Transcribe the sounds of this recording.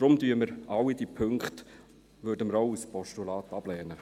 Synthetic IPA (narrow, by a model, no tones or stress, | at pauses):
d̥ɾʊmdyːəməɾʔɑwidipʰɵŋkχt | ʋødəməɾɔʊəspɔʃtulɑːt̪ɑb̥lɛːnə